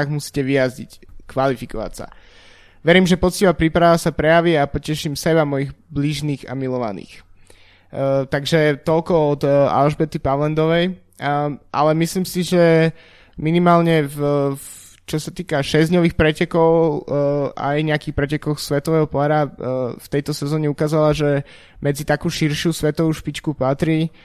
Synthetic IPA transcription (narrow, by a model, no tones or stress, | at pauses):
ɣmusi̥ːcɛʋijazɟḭckʋalifikɔʋa̰csa̰ | ʋɛɾiːmʒɛpɔt͡sciːʋapɾiːpɾaʋasapɾɛjaʋiapɔcɛʃimsɛbamɔjiɣbliʒniːɣa̰milɔʋa̰nḭːx | t̪aɡʒɛt̪ɔlkɔɔd̪a̰lʒbɛt̪ipaʋlɛnd̪ɔʋɛj | ʔa̰lɛmisliːmsiʒɛ | minimaːlɲɛv | t͡ʃɔsat̪iːkaʃɛzd̪ɲɔʋiːxpɾɛcɛkɔʊ | a̰jɲɛakiːxpɾɛcɛkɔxsʋɛt̪ɔʋɛːɦɔpɔaɾaft̪ɛjt̪ɔsɛzɔːɲɛukaːzalaʒɛ | mɛd͡zit̪akuːʃiɾʃusʋɛt̪ɔʋuːʃpit͡ʃkupat̪ɾi